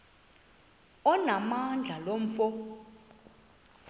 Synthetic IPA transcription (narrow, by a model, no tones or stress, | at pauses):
ɔnamand͡ɮʱalom̩fɔ